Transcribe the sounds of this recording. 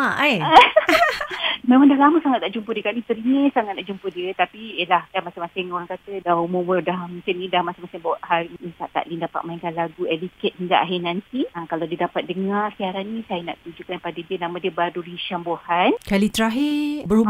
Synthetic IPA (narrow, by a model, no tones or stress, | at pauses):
aaa | mẽmãŋdahlamasaŋat̪̚ːaʔd͡ʒumpədiəkalit̪əɾiŋəsaŋat̪̚naʔd͡ʒumpədiət̪apijəlahkanmasɪmasɪŋoɾaŋkat̪ədaumowədahməsənĩdahmasɪmasɪŋbawaʔɦaɾinĩt̪a̰ʔt̪a̰ʔlindapa̰t̪̚maiŋkanlaɡuelikət̪̚hiŋɡa̰ʔaɦinant̪iakalawdiədapat̪̚dəŋarsiaɾanːĩsajəna̰ʔt̪ud͡ʒukanpadədiənãmãdiəbaɾuɾiʃambohankalit̪ɾaɦibəɾu